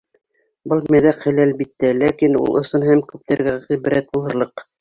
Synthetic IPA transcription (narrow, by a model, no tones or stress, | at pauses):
bɤlˠmæðæqhɘlælbit̪ːælækinṵlˠʔŏsɤnɦæmkʉp̚t̪æɾɡæʁiβɘ̆ɾæt̪̚bulˠhɤ̆ɾlˠɤq